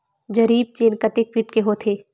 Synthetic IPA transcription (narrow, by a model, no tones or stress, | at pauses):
d͡ʒɐɾiːb̚t͡ʃeːnkɐt̪ek̚fiʈkeɦot̪ʰeː